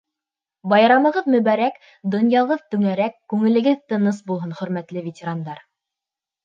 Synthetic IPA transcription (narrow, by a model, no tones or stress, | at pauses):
bɑjɾɑmɤ̆ʁɤðmɵ̆βæɾæk | d̪ŏnjɑlˠɤðt̪ɵ̆ŋæɾækːʉŋɘ̆lɘ̆ɡɘðt̪ɤ̆nɤsbulˠɦɤnχɵ̆ɾmæt̪lɘvʲetʲeɾand̪ɑɾ